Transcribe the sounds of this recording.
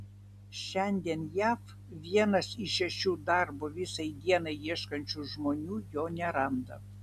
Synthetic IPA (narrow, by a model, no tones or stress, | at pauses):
ʃʲɛnʲd̪ʲiɛnjæːf | ʋʲiɛnɐsiʃʲɛʃʲuːd̪ɑɾboʋʲɪsɐɪd̪ʲiɛnɐɪiɛʃkɐnʲt͡ʃʲuːʒmoːnʲuːjoːnʲɛɾɐmd̪ɐ̰